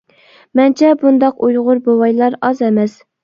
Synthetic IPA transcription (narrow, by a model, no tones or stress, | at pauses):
mɛnt͡ʃʰɛbund̪ɑqujʁʊɾbowɑjlˠɑɾɑzɛmɛs